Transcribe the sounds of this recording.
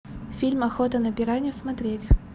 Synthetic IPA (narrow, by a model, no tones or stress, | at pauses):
fʲilʲmɐxot̪ənəbʲɪɾanʲɪjʊsmɐt̪ɾʲetʲ